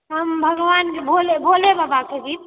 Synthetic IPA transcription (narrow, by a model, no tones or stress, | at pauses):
t̪ɦəmbʱəɡʋankebʱolebʱolebəbakʰed͡ʒit̪̚